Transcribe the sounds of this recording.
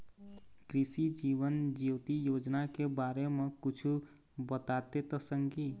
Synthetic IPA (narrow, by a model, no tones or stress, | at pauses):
kɾisid͡ʒibənd͡ʒiwt̪ijod͡ʒnakebaɾemẽkut͡ʃʰu | bət̪at̪et̪əsəŋɡi